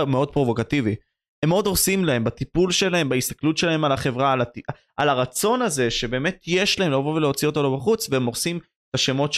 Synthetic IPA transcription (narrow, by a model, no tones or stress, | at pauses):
meo̞d̪̚pʁo̞vo̞kat̪ivi | hemo̞d̪osimlahe̞mbat̪ipulʃe̞lahe̞mbaist̪ḁklutʃe̞lae̞malaχe̞vʁalati | alaʁat͡so̞naze̞ʃe̞beːme̞t̪ʰjeʃlahemleavoveleot͡sio̞t̪o̞lobaχut͡sveemoʁsim | et̪aʃe̞mo̞t